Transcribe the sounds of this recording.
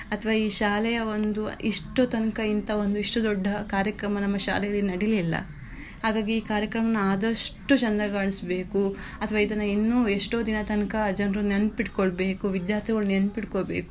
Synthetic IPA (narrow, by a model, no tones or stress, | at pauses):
ɐt̪ʰɐʋaːiːʃaːlɛjɐo̞nd̪uiʂʈot̪ɐnkɐint̪ɐo̞nd̪uiʂʈud̪ɔɖːɐkaːɾjɐkɾɐmɐnɐmːɐʃa̰ːlɛjɐlːinɐɽililːɐ̰ | haːɡaːɡiiːkaːɾjɐkɾɐmɐnːɐaːd̪ɐʂʈut͡ʃɐnd̪ɐɡaːɳisbe̞ːku | ɐt̪ʰɐʋaːid̪ɐnːɐinːuːeʂʈoːd̪inɐt̪ɐnkɐd͡ʒɐnɾunenpiʈkoɭbe̞ːkuʋid̪jaːɾt̪ʰiɡɐɭunenpiʈkoɭbḛːku